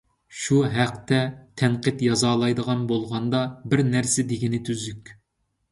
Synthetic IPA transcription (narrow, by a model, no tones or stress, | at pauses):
ʃuɦæqt̪ʰɛt̪ʰɛɴqət̪jɑzɑːlˠɑjd̪əʁɑnbolˠʁɑnd̪ɑbɪɾnæɾsɪd̪eɡʲinɪt̪ʰyzykʲ